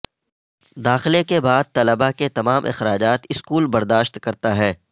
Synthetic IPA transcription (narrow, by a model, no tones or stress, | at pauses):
d̪aːxɪlekebaːd̪̚t̪ɐləbaket̪ɐmaːmʔɪ̰xɾaːd͡ʒaːt̪ɪskuːlbɐɾd̪aːʃt̪kɐɾt̪aɦɛː